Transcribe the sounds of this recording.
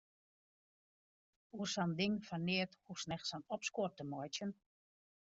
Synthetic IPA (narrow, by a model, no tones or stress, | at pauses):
ursandɪŋfanːɪəthusnɛxsanɔpskortəmɔjtjən